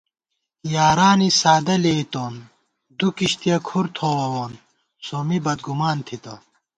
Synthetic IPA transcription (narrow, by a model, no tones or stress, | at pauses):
jaːɾaːnisaːd̪ɐleit̪oːn | d̪ukiɕt̪ijɐkʰuɾt̪ʰoːwɐwoːn | somibɐd̪̚ɡumaːnt̪ʰit̪ɐ